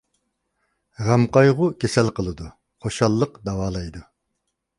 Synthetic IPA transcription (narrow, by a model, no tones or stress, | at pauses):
ʁæmqɑjʁʊkʲʰesɛlqəlˠɨd̪u | χoʃɑlˠːəqd̪ɑwɑːlˠɑjd̪u